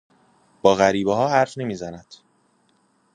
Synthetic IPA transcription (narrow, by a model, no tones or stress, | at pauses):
b̥ɒːɣæɾiːbeɦɒːɦæɾfne̞miːzænæd̪̥